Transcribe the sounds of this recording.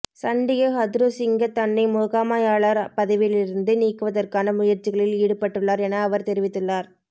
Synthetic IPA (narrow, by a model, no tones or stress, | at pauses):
sɐɳɖɪjɐɦɐd̪ɾosɪŋɡɐt̪ɐɳːɪmoːɣaːmaːjaːɭɐɾpɐðɐʋɪlɪɾɯnd̪ɯniːkːɯʋɐðɐrkaːnɐmʊjɐɾt͡ʃːɪɣɐɭɪliːɽɯpːɐʈːɯɭːaːɾɛnɐːʋɐɾt̪ɛɾɪʋɪt̪ːɯɭːaːɾ